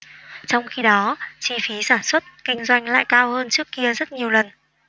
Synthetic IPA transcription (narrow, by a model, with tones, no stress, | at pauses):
t͡ɕɔ˧wŋ͡mxi˧ɗɔ˨˦t͡ɕi˧fi˨˦saː˧˩nswə˦˥t̚kï˧ŋ̟zwa˧jŋ̟la̰ː˧˨jkaː˧whəː˧nt͡ɕɨ˦˥əkːi˧əzə˦˥t̚ɲi˨˩əwlə˨˩n